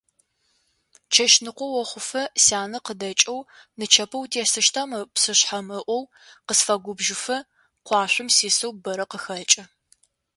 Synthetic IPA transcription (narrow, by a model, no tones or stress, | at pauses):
t͡ʃʰɐʃnɨqʷʊwɔχʷʊfɐsaːnɐqədɐt͡ʃʼɐw | nɨt͡ʃʰɐpʰɐwtʰeːsɨʃtʰamɨpsɨɕħamɨʔʷɔw | qəsfɐɡʷʊbʒɪfɐ | qʷɑːɕʷʊmsiːsɐwbɐɾɐqəxɐt͡ʃʼɐ